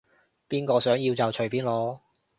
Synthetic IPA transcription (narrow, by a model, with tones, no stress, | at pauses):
piː˥nkɔː˧sœː˨˥ŋji˧wt͡sɐ˨wt͡ʃʰɵ˨˩ɥpiː˨˥nlɔː˨˥